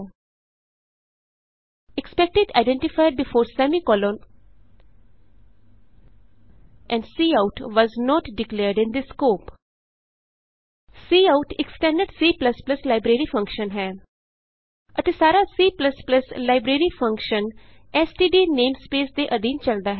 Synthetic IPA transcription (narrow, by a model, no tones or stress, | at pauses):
ekspɛk̚ʈɪɖa̰ɪɖɛ̃ɳʈɪfaɪɖ̚bɪfoːɾsɛmikɔːlõːn | ʔɛ̃ɳɖsiːaʊʈʋɔːznɔːʈɖɪkleːɾɖɪ̃nd̪iskoːp | siːaʊʈɪksʈɛ̃ɳɖəɖsiːplɐsplɐslaɪbɾeɾifɐ̃ŋkʃə̃nɦɛː | ʔɐt̪esaːɾasiːplɐspləslaɪbɾeɾifʌ̃ŋkʃə̃n | ɛsʈiːɖiːnẽːmspeːsd̪eʔəd̪ĩːnt͡ʃɐld̪aɦɛ